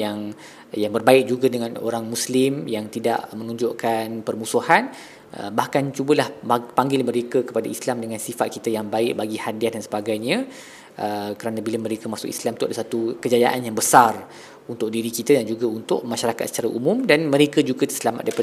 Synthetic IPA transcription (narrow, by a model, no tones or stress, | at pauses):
jaŋ | jaŋbərbaɪk̚d͡ʒuɡadəŋano̰ɾaŋmuslɪmjaŋt̪ida̰ʔmə̃nũɲd͡ʒoʔkanpərmusuhan | ʔə̰bahkant͡ʃubəlahpaŋɡɪlmə̃ɾekəkə̥padaislamdəŋansifat̪̚kit̪ajaŋbaɪʔbaɡihadiahdansəbaɡajɲə̃ | ʔəkəɾanãbiləmə̃ɾekəmasʊ̰kḭslamt̪uadasat̪ukəd͡ʒajaʔanjaŋbəsar | unt̪ʊk̚diɾikit̪adand͡ʒuɡaunt̪ʊʔ̚mãʃaɾakat̪sə̥t͡ʃaɾaʔumũmdanməɾekəd͡ʒuɡat̪ə̥səlama̰t̪dajpa